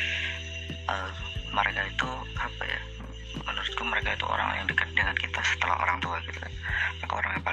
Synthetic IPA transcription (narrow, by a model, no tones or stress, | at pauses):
ʔəməɾekait̪u | apa̰ja̰ | mənuɾʊt̪̚kaməɾekait̪uʔo̰ɾa̰ŋja̰ŋdəkat̪̚dəŋankit̪asə̥t̪əla̰ɦo̰ɾaŋt̪uaɡit̪ukanmakaoɾaŋjaŋpa